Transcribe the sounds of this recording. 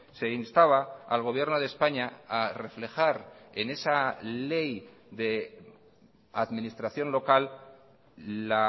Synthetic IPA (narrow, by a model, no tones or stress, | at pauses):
se̞inst̪aβaa̰lɣ̞o̞β̞je̞ɾno̞ð̞e̞spaɲaare̞fle̞xaɾene̞sale̞jðe̞ | aðmĩnist̪ɾaθjo̞nlo̞kal | la